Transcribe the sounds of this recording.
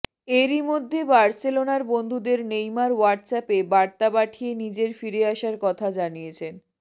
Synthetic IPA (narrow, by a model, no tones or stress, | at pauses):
eɾimod̪ʱːebaɾselonaɾbond̪ʱud̪eɾnejmaɾwaɾʈsɛpebaɾt̪abaʈʰienid͡ʑeɾfiɾeaʃaɾkɔt̪ʰad͡ʑanijet͡ɕʰen